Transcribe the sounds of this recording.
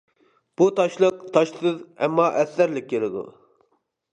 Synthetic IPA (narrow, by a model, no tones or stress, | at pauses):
b̥ut̪ʰɑʃlˠəq̚t̪ʰɑʃsɨðɛmːɑʔɛsːæɾlɪk̚ʲʰːelɪd̪ṵ